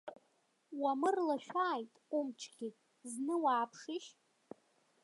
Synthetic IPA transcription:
wamɨrlaʃᶣaːjtʼumʈ͡ʂʰɡʲitʼ | znɨwaːpʰʂɪʃ

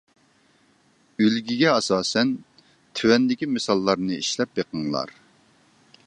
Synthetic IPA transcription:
ølɡʲiɡʲɛɑsɑːsɛn | t̪ʰywɛnd̪ɪkʲimɨsɑlˠːɑɾnɨiʃlɛpjeqʰəŋlˠɑ̰ɾ

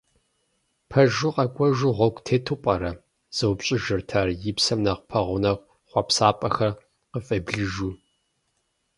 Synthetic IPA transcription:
pʰɐʒʊqɐkʷʼɔʒuʁɔɡʷʼtʰeːtʰɨpʷʼɐɾɐ | z̥ɐwpɕʼɪʒɨrtʰaːrjɪpsɐmnɐqpʰɐʁʷʊnɐkʷ | χʷɑpsaːpʼɐxɐr | qəfʼɐbɮɨʒuː

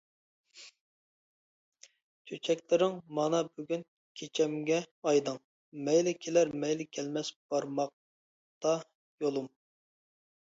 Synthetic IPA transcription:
t͡ʃʲʰøt͡ʃʰɛkʲlɪɾɪŋmɑnɑbyɡʲyn | kʲʰet͡ʃʰɛmɡʲɛɑjd̪ɨŋ | mɛjlɪkʲʰelæɾmɛjlɪkʲʰɛlmɛsb̥ɑɾmɑq̚ | t̪ɑ | jolˠum

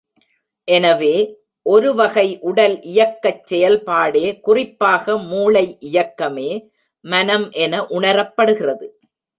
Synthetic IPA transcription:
ʔɛnɐʋeː | ʔɔɾɯʋɐɣɐɪʔʊɽɐlʔɪjɐkːɐt͡ʃːɛjɐlpaːɽeːkʊrɪpːaːɣɐmuːɭɐɪʔɪjɐkːɐmeː | mɐnɐmʔɛnɐʔʊɳɐɾɐpːɐɽɯɣɪrɐðɯ

